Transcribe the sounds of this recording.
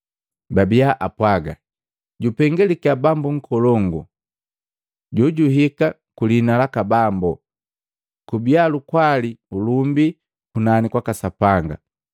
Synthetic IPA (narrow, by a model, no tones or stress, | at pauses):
babiaʔapwaɡa̰ | ɟupɛŋɡɛlikiabambuŋ̩kʰɔlɔŋɡṵ | ɟɔɟuɦika | kulinalakabambɔ | kubialukwaliulumbi | kunanikwakasapaŋɡa̰